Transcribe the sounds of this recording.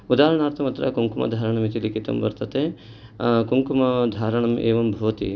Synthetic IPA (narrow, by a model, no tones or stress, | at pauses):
ud̪aːɾɐɳaːɾt̪ʰɐmɐt̪ɾɐ̰kuŋkumɐ̰d̪ʱaːɾɐɳɐmit̪ilikit̪ɐ̰mʋɐ̰ɾt̪ɐt̪eː | kuŋkumɐd̪ʱaːɾɐɳɐmeːʋɐmbʱɐʋɐt̪ḭ